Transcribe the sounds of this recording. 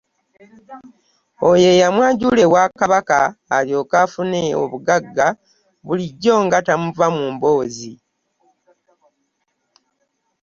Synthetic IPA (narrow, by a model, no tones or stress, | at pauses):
oje̞jamwaːɲɟule̞wakaβakaːljo̞ːkaːfuneo̰βuɡaɡːa | βuliɟːo̞ːŋɡatamuvamuːmbo̞ːzi